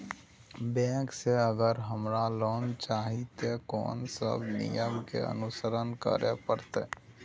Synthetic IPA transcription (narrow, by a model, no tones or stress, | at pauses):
bɛ̃ːkseəɡəɾɦəmɾalɔːnt͡ʃaːɦit̪ekɔ̰ːnsə̰bnɪ̰jəmkḛə̰nʊsəɾənkə̰ɾepəɾt̪e